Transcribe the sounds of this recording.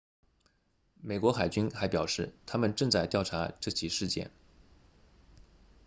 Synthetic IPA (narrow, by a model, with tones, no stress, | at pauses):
me˨˩ɪkwɔ˧˥xa˨˩ɪt͡ɕy˥nxa˧˥ɪpjɑ˨˩ʊʂɻ̩˥˩t̪ʰa˥mə˨nʈ͡ʂɤ˥˧ŋt͡sa˥˧ɪt̪jɑ˥˩ʊʈ͡ʂʰa˧˥ʈ͡ʂɤ˥˩t͡ɕʰi˧˨˩ʂɻ̩˥˧t͡ɕjɛ̰˥˩n